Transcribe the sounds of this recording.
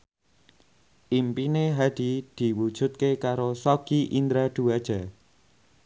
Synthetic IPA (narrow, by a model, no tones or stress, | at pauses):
ʔimpineɦad̪̥id̪̥i̤wud̥ʒ̥ṳt̪̚kekaɾosoɡ̥iʔind̪ɾad̪̥ṳad̥ʒ̥a̤